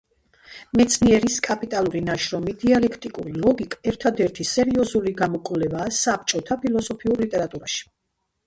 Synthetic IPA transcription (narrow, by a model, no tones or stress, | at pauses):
mɛt̪sʰniɛɾiskʼapʼit̪ʼalˠuɾinaʃɾɔmid̪̥ialɛkʰt̪ʼikʼṵɾilˠɔɡikʼɛɾt̪ʰad̪ɛɾt̪ʰisɛɾiɔzuliɡamɔkʼvlɛbaːsap̚t͡ʃʼɔt̪ʰapʰilˠɔsɔpʰiuɾlit̪ʼɛɾat̪ʼuɾaʃi̥